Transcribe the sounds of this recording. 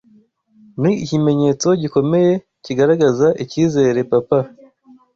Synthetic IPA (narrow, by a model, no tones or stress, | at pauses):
niːcime̞ɲe̞t͡so̞ɟiko̞me̞je̞ | ciɡaɾaɡazaʔiciːze̞ɾe̞papa